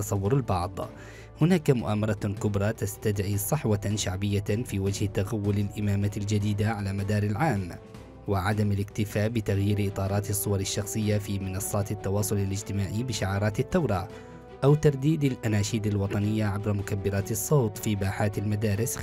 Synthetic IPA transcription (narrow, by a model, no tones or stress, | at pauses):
ɑsˤɑwːʊɾɪlbɑʕd̪ˤ | hʊnaːkamʊʔaːmɑɾˤɑkʊbɾˤɑt̪ast̪ad̪ʕisˤɨħwaʃaʕbɪjːafiːwad͡ʒhɪt̪aɣawːʊlɪlʔɪmaːmald͡ʒad̪iːd̪aʕalaːmad̪ɑːɾˤɪlʕaːm | wɪʕad̪amɪlɪkt̪ɪfaːʔbɪt̪aɣjiːɾʔɨt̪ˤɑːɾˤɑːt̪ɨsˤːʊwɑɾˤɪʃːɑxsˤɨjːafiːmɪnɑsˤːɑːt̪ɪt̪ːɑwɑːsˤʊlɪlɪd͡ʒt̪ɪmaːʕibɪʃɪʕɑːɾˤɑːt̪ɪt̪ːawɾˤɑ | ʔawt̪ɑɾˤd̪iːd̪alʔanaːʃiːd̪alwɑt̪ˤɑnɪjːaʕabɾamʊkabːɪɾaːt̪ɨsˤːoːt̪ˤfiːbaːħaːt̪ɪlmad̪aːɾɪs